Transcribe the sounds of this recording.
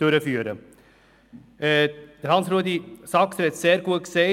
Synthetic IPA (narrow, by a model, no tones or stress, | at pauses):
øɾəfyːəɾə | d̪̥əɾhɑnsɾuːd̪isɑːksɾɛt̪seːɾɡuəkseː